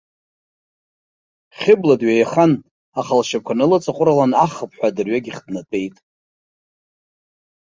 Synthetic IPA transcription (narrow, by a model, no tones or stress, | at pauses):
χʲɪbladɥajχan | aχalʃakʷʰanɨlɨt͡sʼaqʷʼʊɾalanaχəpʰʼħʷᶣadɨrɥaɡʲiχʲdnatʼe̞jtʼ